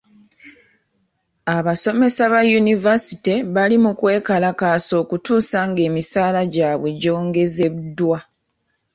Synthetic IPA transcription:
aβaso̞me̞saβajunivasi̥teβalimukwe̞ːkalakaso̞ːkutuːsaŋɡe̞ːmisaːlaɟaːβwe̞ɟo̞ːŋɡe̞ze̞βudwa

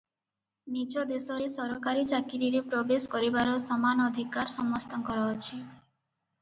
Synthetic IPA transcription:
nit͡ʃɔd̪esɔɾesɔɾɔkaɾit͡ʃakiɾiɾepɾobeskɔɾibaɾɔsɔmanɔd̪ʱikaɾsɔmɔst̪ɔŋkɔɾɔɔt͡ʃʰi

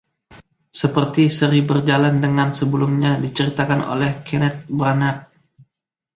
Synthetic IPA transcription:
səpərt̪isəɾibərd͡ʒalandəŋansəbəlumɲadit͡ʃəɾit̪akano̰lɛhkɛnɛt̪̚bɾanak̚

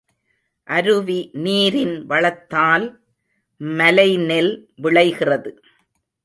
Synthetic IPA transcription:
ʔɐɾɯʋiniːɾɪnʋɐɭɐt̪ːaːl | mɐlɐɪnɛlʋɪɭɐɪɣɪrɐðɯ

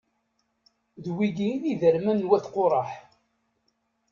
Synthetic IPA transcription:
ðwiɡiniðəɾmænːwæθqoɾˤɑħ

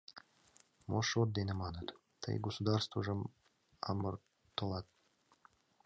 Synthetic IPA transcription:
moʃot̪̚d̪enemɑnət̪ | t̪ə̰jɡosud̪ɑrst̪vəʒəm | ɑ̰mər | t̪olˠɑt̪̚

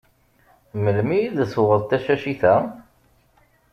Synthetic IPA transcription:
məlmijiðsʊʁəðˤt̪æʃæʃiθæ

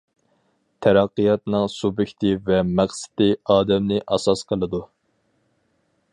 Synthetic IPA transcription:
t̪ʰæɾɑqːijɑt̪nɨŋsubɪkʲt̪ʰɪvɛmæχsɪ̥t̪ɪɑːd̪ɛmnɪʔɑsɑsqʰəlˠɨd̪u

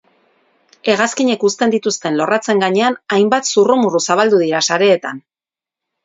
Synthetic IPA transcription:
e̞ɣ̞askiɲe̞kust̪e̞nd̪it̪ust̪e̞nlo̞rʔat͡se̞ŋɡaɲe̞anajmbat̪suromurusaβald̪uðiɾasaɾe̞ːt̪an

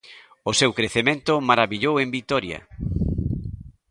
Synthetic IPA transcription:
osewkɾeθemẽnt̪ʊmaɾaβiʎowembit̪ɔɾjɐ̰

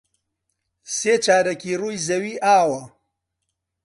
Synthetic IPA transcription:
seːt͡ʃaːɾɐkiːruːjzɐwiːʔaːwɐ

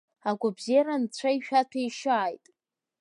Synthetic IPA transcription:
aɡʷabziɾant͡ɕʷʰaiʃᶣatʷʰajʃaːjtʼ

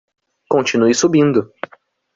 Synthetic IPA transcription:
kõnt͡ʃinuɪsubĩnd̪ʊ

